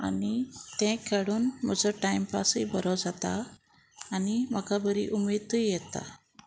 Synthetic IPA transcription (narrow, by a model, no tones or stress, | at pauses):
a̰nit̪ɛ̃kʰeɽuːnm̤əd͡zɔʈajmpasibəɾɔd͡zat̪aː | niməkabəɾḭʔumet̪əjjɛt̪a̰